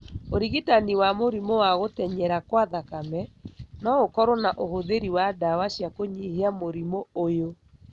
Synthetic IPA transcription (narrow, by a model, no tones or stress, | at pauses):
oɾiɣitaniwamoɾimowaɣotɛɲɛɾakwaðakamɛnɔɣokɔɾɔnaʔohoðeɾiwadawaɕjakoɲiɦeamoɾimoojo